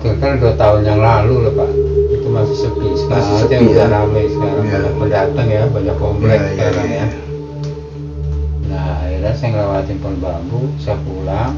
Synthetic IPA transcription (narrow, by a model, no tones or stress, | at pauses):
t̪unkarduat̪aʊnjaŋlalulohpaʔit̪umasi̥səpisə̥kaɾaat̪iaaɾabajsə̥kaɾaŋaapəndat̪əŋjabaɲakːomplɛksəkaɾaŋja | nahilasajŋəlawat̪ɪnpʊnbabusaapula